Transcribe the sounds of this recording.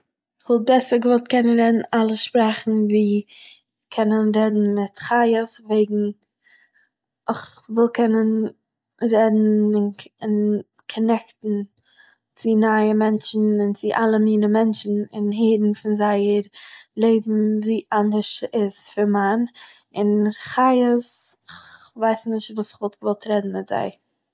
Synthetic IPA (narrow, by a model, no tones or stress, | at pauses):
ɪχvɪl̚ˠbɛsəɾɡəvɔlˠtkɛnənɾɛdn̩alˠəʃpɾɛχn̩viː | kʰɛnənɾɛdn̩mɪtχajəsveɪɡŋ̩ | ɪχvɪlˠkʰɛnən | ɾɛdn̩ɪnɪn | kʰɔnɛktn̩ | t͡sɪnaɪəmɛnt͡ʃn̩ɪnt͡sɪʔalˠəmiːnəmɛnt͡ʃn̩ɪ̰nɦeːɾn̩fɪnzaɪəɾlˠeɪbm̩viːʔandəʃɪsfɪɾman | ɪnχaɪəsɪχvaɪsnɪʃtvuːsɪχvɔlˠtɡvɔlˠtɾɛdn̩mɪtz̥a̰ɪ